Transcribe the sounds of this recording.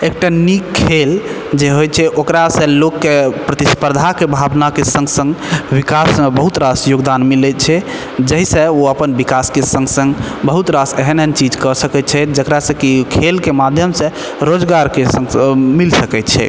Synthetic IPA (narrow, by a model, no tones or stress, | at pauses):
ek̚ʈanikʰːel | d͡ʒeɦojt͡ʃʰɛʔokɾasə̃lokːepɾət̪ispəɾd̪ʱakebʱabnakesə̃ŋɡsə̃ŋɡbikasmebəɦut̪ɾasjoɡd̪anmilɛt͡ʃʰɛ | d͡ʒəɦisə̃oəpənbikaskesə̃ŋɡsə̃ŋɡbəɦut̪ɾaseɦənɦənt͡ʃid͡ʒkɔsəkɛt͡ʃʰɛd͡ʒəkɾasə̃kikʰelkemad̪ʱjəmsə̃ | ɾod͡ʒɡaɾkesə̃ŋmilsəkɛt̪t͡ʃʰɛ̰